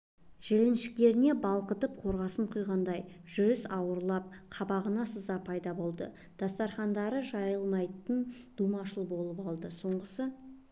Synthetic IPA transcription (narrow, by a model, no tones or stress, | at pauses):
ʒ̥elenʃɪ̥k̚t̪e̞ɾɪne̞bɑlˠqət̪əp̚qʰo̞ɾʁɑsəɴqʰujʁɑnd̪ɑjʒ̥ʏɾɪsɑwəɾlˠɑp̚qʰɑbɑʁənɑsəzɑpʰɑjd̪ɑbo̞lˠd̪ə̰ | d̪̥ɑst̪ɑɾχɑnd̪ɑɾəʒɑjəlˠmɑjt̪ənd̪̥umɑʃəlˠbo̞lˠəpɑlˠd̪əso̞ɴʁəsə